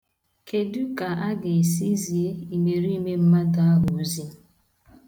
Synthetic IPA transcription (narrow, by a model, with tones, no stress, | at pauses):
ke˨du˦ka˨ʔa˦ɡɪ˨e˨si˦zi˨e˦i˨me˨ɾi˦i˦me˦m̩˦ma˦da˨a˦ɦʊ˨˦zi˦